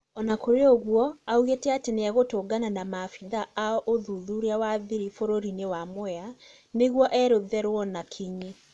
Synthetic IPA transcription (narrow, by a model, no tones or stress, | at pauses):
ɔnakoɾeoɣwɔauɣetɛateneaɣotoɡananamafiðaaɔʔoðuðuɾeawaðiɾifoɾoɾinewamwɛa | neɣwɔʔɛɾoðɛɾwɔnakʰiɲe